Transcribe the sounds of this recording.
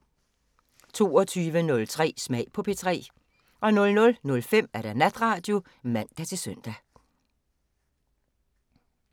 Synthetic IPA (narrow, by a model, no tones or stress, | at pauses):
t͡sʰo̝̰ːɒ̽t͡sʰyːʋənɔ̽lt͡sʰʁɛ̰ːsmɛɪpʰɒ̽pʰe̝t͡sʰʁɛ̰ː | ʔɒ̽nɔ̽lnɔ̽lnɔ̽lfem̰æɐɾ̥ænæd̥ʁɑ̈ːd̥jo̝ | mæn̰d̥æt͡sʰe̝sœn̰d̥æ